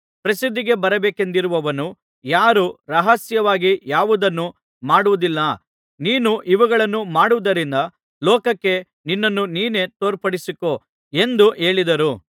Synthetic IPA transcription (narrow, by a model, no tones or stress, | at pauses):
pɾɐsid̪ːiɡe̞bɐɾɐbeːke̞nd̪iɾuʋɐʋɐnu | jaːɾuɾɐɦɐsjɐʋaːɡijaːʋud̪ɐnːu | maːɽuʋud̪ilːɐ | niːnuʔiʋɐɡɐɭɐnːumaːɽuʋud̪ɐɾind̪ɐ | lɔːkɐkːe̞ | ninːɐnːuniːne̞t̪oːɾpɐɽisiko̞ | e̞nd̪uʔe̞ːɭid̪ɐɾu